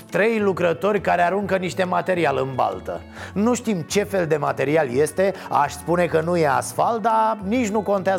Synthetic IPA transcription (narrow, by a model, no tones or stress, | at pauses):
t̪ɾe̞jlukɾət̪o̞rʲkaɾeaɾuŋkəniʃt̪e̞mat̪e̞ɾialɨnba̰lt̪ə̰ | nuʃt̪imt͡ʃe̞fe̞ld̪e̞mat̪e̞ɾialje̞st̪e̞a̰ʃspune̞kənuje̞a̰sfald̪anit͡ʃʲnuko̞nt̪eaz